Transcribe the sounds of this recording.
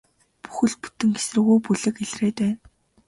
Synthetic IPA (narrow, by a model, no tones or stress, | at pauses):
pu̥xɘ̆ɮ̚pu̥t̪ɘ̆ŋɡesrɘ̆ɣujpuɮɘ̆keɮreːt̪æːn